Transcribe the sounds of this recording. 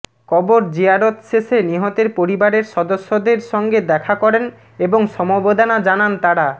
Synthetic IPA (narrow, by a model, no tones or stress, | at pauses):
kɔboɾd͡ʑiaɾot̪ʃeʃeniɦɔt̪eɾpoɾibaɾeɾʃɔd̪oʃːod̪eɾʃɔŋɡed̪ɛkʰakɔɾen | eboŋʃɔmobod̪ʱanad͡ʑanant̪aɾa